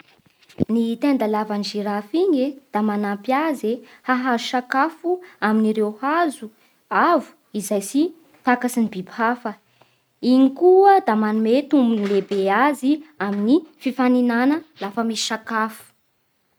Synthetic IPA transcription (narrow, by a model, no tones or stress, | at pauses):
nit̪end̪alavanʒiɾafiɲed̪̥amanampjaze | haɦazuʃakafuaminiɾewhazu | avu̥ | izajsi | t̪akasinibibhafə | iɲikuəd̪amanumet̪umbunilebeaziaminififaninanəlafəmisi̥ʃakafu̥